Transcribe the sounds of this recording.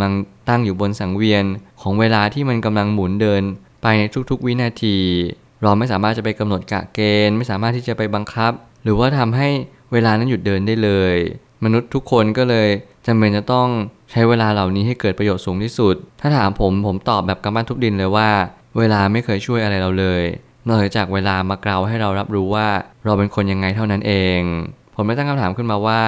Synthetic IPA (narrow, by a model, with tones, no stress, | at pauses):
la˧ŋt̪a˥˩ŋjuː˨˩bo˧nsa˩˦ŋwi˧ənkʰɔː˩˦ŋweː˧laː˧t̪ʰiː˥˩ma˧nka˧mla˧ŋmuː˩˦ndɤː˧n | pa˧jna˧jt̪ʰu˦˥k̚t̪ʰu˦˥k̚wi˦˥naː˧t̪ʰiː˧ | ɾa˧wma˥˩jsaː˩˦maː˥˩t͡ɕa˨˩pa˧jka˧mno˨˩t̪̚ka̰˨˩keː˧nma˥˩jsaː˨˩˦maː˥˩t̪ʰːiː˥˩t͡ɕa˨˩pa˧jba˧ŋkʰa˦˥p̚ | ɾɯː˩˦waː˥˩t̪ʰa˧mɦa˥˩j | weː˧laː˧na˦˥nju˨˩t̪̚dɤː˧ndaː˥˩jlɤː˧j | ma˧nu˦˥t̪ʰːu˦˥kʰːo˧nkɔː˥˩lɤː˧jt͡ɕa˧mːeː˧nt͡ɕa˨˩t̪ɔ˥˩ŋ | t͡ɕʰa˦˥jweː˧laː˧la˨˩wniː˦˥ɦa˥˩jkɤː˨˩t̪̚pɾa˧joː˨˩t̪̚suː˩˦ŋt̪ʰiː˥˩su˨˩t̪̚ʰːaː˥˩t̪ʰaː˩˦mpʰo˩˦mpʰo˩˦mt̪ɔː˨˩p̚bɛː˨˩p̚ka˧mbaː˥˩nt̪ʰu˦˥k̚di˧nlɤː˧jwaː˥˩ | weː˧laː˧ma˥˩jkʰɤː˧jt͡ɕʰu˥˩əjʔa˧ɾa˧jɾa˧wlɤː˧j | nɔ˥˩t͡ɕaː˨˩k̚weː˧laː˧maː˧kla˧wɦa˥˩jɾa˧wɾa˦˥p̚ɾuː˦˥waː˥˩ɾa˧wpe˧nkʰo˧nja˧ŋːa˧jt̪ʰa˥˩wna˦˥nʔeː˧ŋpʰo˩˦mda˥˩t̪a˥˩kʰmt̪ʰːmkɯ˥˩nmaː˧waː˥˩